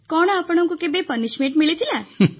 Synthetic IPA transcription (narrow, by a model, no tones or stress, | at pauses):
kɔɽ̃apəɽ̃ɔ̃ŋkukebepənismeɳʈmiɭet̪ʰilã